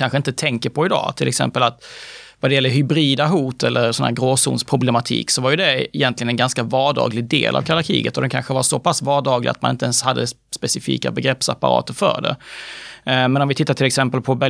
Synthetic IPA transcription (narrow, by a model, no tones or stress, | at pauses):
kʰanɧəɪnt̪ət̪ʰɛŋkəɾpʰɔɪd̪ɑ̰ːt̪ʰɪlʔɛksɛ̰mpəlat̪vad̪ɛjɛlːəɾɦʏbɾiːd̪aɦuːt̪ɛlːəɾsɔnhæ̰ɾɡɾoːsṵːnspʰɾʊblɛmat̪ʰḭːksɔvaɾjɵd̪ɛɪjɛnt̪lɪɡənɛnɡanskavɑːɖɑ̰ːɡlɪɡ̚d̪ḛːlʔa̰vkʰalaɾkʰḭːɡət̪ːɔd̪ɛnkʰa̰nɧəvaɾsɔpʰasvɑːɖɑːɡlɪ̰ɡat̪manɪnt̪əɛnshad̪ːəspɛsɪfḭːka̰bɛɡɾɛpsa̰pːa̰ɾɑ̰ːt̪əɾfœ̰ːɖɛ̰ | mɛnɔmvɪt̪ʰɪt̪ːatʈʰɪlɛksɛmpəlpʰɔbɛ